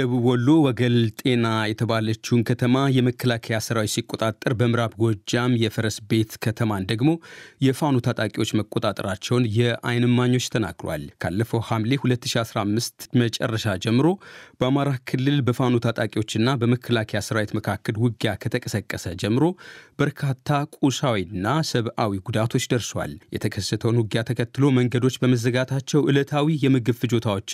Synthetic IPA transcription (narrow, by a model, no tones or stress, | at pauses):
əβɨwɔlːo̞wɔɡəlt̪ʼe̞najɛt̪ʰəβalət͡ʃːuhnkʰət̪ʰəmajɛməkːəlakʰəjasɨɾawit̪sikʼːo̞t̪ʼat̪ʼːɨɾbəmɨɾaβɡɔd͡ʒːamjɛfəɾəsbe̞t̪kʰət̪ʰəmand̪əɡmo̞jɛfanot̪ʰat̪ʼakʼiwo̞t͡ʃːməkʼot̪ʼat̪ʼɨɾat͡ʃːɛwnjɛa̰jnɨmːaɲːo̞t͡ʃːt̪ʰəna̰ɡɾowa̰lkʰa̰lːəfəwhamlehulət̪ːɨʃiasɾamːɨst̪mət͡ʃʼɛ̰rːəʃad͡ʒɛmːɨɾo̞b̥əamaɾakʰɨlːɨlbəfanot̪ʰat̪ʼakʼiwo̞t͡ʃːɨnːabəməkʰːəlakʰjasɨɾawet̪məkʰakːəlwɨɡjakʰət̪ʰəkʼəsəkʼːəsəd͡ʒɛmːɨɾo̞b̥əɾkʰat̪ʰːakʼusawinːasəβʔawiɡud̪at̪ʰo̞t͡ʃːd̪əɾswa̰ljɛ̰t̪ʰəkʰəsːət̪ʰəwnwʊɡjat̪ʰəkʰət̪ːɨlo̞məŋɡəd̪o̞t͡ʃːbəməzəɡat̪ʰat͡ʃːɛwʔɨlət̪ʰawijɛmɨɡɨfɨd͡ʒo̞t̪ʰawo̞t͡ʃː